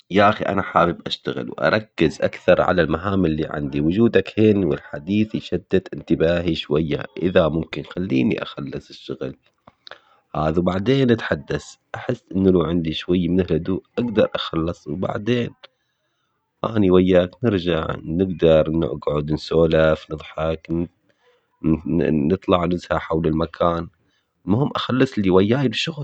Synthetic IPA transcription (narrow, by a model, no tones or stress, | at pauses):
jaʔaxiʔa̰naħaːwɪbʔaʃt̪aɣɪ̰lwʔɑ̰ɾˤɑkːɪzʔa̰kθɑɾˤʕa̰lalmaɦaːmɪlːiːʕa̰nd̪iwʊd͡ʒuːd̪akhɪnwɪ̰lħad̪iːθiʃad̪ːat̪ʔɪnt̪ɪbaːɦiʃwajːa̰ʔɪðamʊmkɪnxalːiːnḭʔa̰xɑlːɨsˤɪʃːʊɣl | haːðawbaʕd̪eːnʔat̪ħad̪ːasʔaħɪsːʔɪnːlaːʕɪnd̪iʃwajːamɪnɪlʔʊd̪uːʔʔaɡd̪ɑɾˤʔaxɑlːɑsˤwba̰ʕd̪eːn | ha̰ːniwajːaːknɪɾd͡ʒaʕnɪɡd̪ɑɾˤnɪ̰ʔɡʕʊd̪nsoːlafnɨðˤħɑk | nɨt̪ˤlɑʕnɪzhaħawlɪlmakʰaːn | mʊhɪmːʔaxalːɑsˤliwajːaːjibʃʊɣl